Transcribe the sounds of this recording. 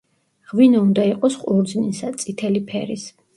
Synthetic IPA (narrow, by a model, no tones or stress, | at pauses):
ʁwinɔund̪aiqʼɔsχʼuɾd̪znisat̪sʼit̪ʰɛlipʰɛɾis